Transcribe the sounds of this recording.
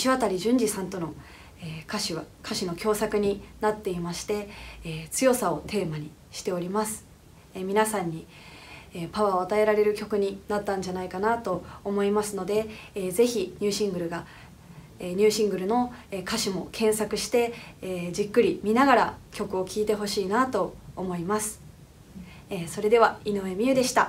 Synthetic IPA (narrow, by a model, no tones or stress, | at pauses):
ɕiβat̪aɾʲiʑɨ̃ɲ̟d͡ʑisãnt̪o̞no̞ | eːkaɕiβakʰaɕino̞kʲo̞ːsakɯ̟ɲ̟inat̪ːe̞imaɕi̥t̪e̞t͡sɨjo̞sao̞t̪ʰe̞ːmaɲ̟i | ɕi̥t̪e̞o̞ɾʲimasɨ̥ | mʲinasãɲ̟ːi | epaβaoat̪ae̞ɾaɾe̞ɾɯ̟kʲo̞kɯ̟ɲ̟inat̪ːãɲ̟d͡ʑanaikanat̪o̞ːmo̞imasɨno̞d̪e̞eːze̞çiɲ̟ʲɨːɕĩŋɡɯ̟ɾɯ̟ɡa | eɲ̟ɨːɕĩŋɡɯ̟ɾɯ̟no̞ekaɕimo̞kʰẽ̞ɰ̃sakɯ̟ɕi̥t̪e̞ːd͡ʑikːɯ̟ɾʲimʲinaɡaɾakʲo̞kɯ̟o̞kʲʰiːt̪e̞ɦo̞ɕiːnat̪o̞ːmo̞imasɨ̥ | eːso̞ɾe̞d̪e̞β̞ainoe̞mʲiɯ̟d̪e̞ɕi̥t̪a